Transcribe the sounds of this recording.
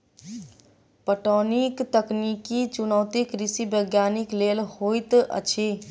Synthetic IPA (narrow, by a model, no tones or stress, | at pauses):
pəʈonikt̪əknikit͡ʃunəwt̪ikɾisibəɡjaːniklelhojt̪ə̰t͡ʃʰi